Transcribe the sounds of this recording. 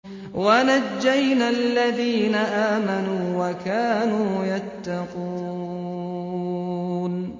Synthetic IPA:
wanad͡ʒːajnalːaðiːnaʔaːmanuːwakaːnuːjat̪ːɑqu | n

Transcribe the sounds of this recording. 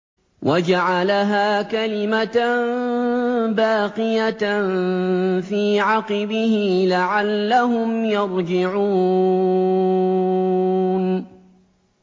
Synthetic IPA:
wʔad͡ʒaʕalaɦaːkalɪmat̪ | baːqɪjat̪nfiːʕɑqɪbɪhɪlaʕalːaɦʊmjɑɾˤd͡ʒɪʕuː | n

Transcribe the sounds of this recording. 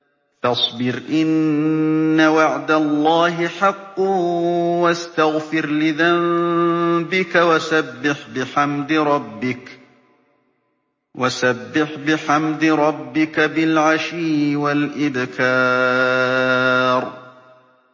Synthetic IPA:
fɑsˤbɪɾʔɪnː | awaʕd̪alˤːɑːɦɪħɑqː | wast̪aɣfɪɾlɪðam | bɪkawasabːɪħbɪħamd̪ɪɾˤɑbːɪk | wasabːɪħbɪħamd̪ɾˤɑbːɪkabɪlʕaʃiːʔwalʔɪd̪kaː | ɾˤ

